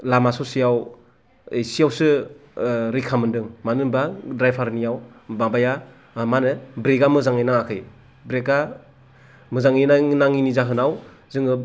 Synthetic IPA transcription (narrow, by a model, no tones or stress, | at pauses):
lamasɔsijaw | ejsijawsɯ | ɾikʰamɯndɯŋmanɯnbadɾajpʰaɾnijaw | babaja | manɯbɾeɡamɯzaŋɯjnaŋakʰɯj | bɾeka | mɯzaŋinanaŋinizaɦɯnaw | zɯŋɯ